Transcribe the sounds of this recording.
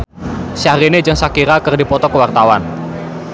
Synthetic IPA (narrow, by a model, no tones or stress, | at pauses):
ʃaɾined͡ʒɨŋsakiɾakərdipɔt̪ɔkəwart̪awan